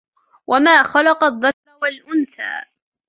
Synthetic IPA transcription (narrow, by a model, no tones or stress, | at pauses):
wʔamaːxɑlɑqɑðˤːakɾˤwalʔʊnθa̰ː